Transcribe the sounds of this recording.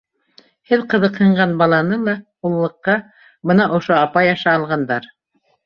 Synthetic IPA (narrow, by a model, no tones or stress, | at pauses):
hɘðqɤ̆ðɤqhɤ̆ɴɢɑnbɑlˠɑnɤlˠɑ | ulˠːɤ̆qːɑ | bɤnɑʔŏʃoɑpɑjɑʃɑːlˠʁɑnd̪ɑɾ